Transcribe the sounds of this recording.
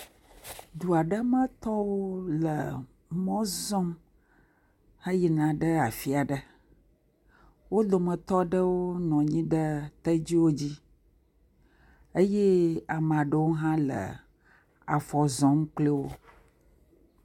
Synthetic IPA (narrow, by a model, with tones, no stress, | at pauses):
d̪u˨a˨ɖə˦mə̃˦t̪ɔ˦wo˦lə̰˨ | mɔ̃˦zɔ˦m | hə˦ji˨nã˨ɖə˦a˨fi˦a˨ɖə˨ | wo˦d̪o˨mə̃˨t̪ɔ˦ɖə˦wo˦nɔ̃˨ɲĩ˦ɖə˦t̪ə˦d͡ʑi˦wo˦d͡ʑi˦ | ə˦je˦a˨m˨a˨ɖə˦wo˦ɦã˦lə̰˨ | a̰˨fɔ˨zɔ̃˦mk͡ple˦wo˦